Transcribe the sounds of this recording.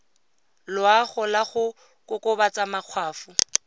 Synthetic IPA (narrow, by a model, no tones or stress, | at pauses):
lʊaχʊlaχʊ | kʼʊkʼʊbat͡sʼamaq͡χʰwaːfʊ